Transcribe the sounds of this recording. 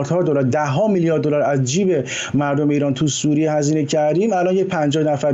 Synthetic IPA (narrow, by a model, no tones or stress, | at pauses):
ɾd̪hɒːd̪olæɾd̪æɦɒːmiljɒɾd̪ːolæɾæzd͡ʒiːbe̞ | mæɾd̪omeiːɾɒːnt̪ʰusuːɾijehæziːnecʰæɾd̪iːmælɒːnjec̚pʰænd͡ʒɒːhnæfæɾ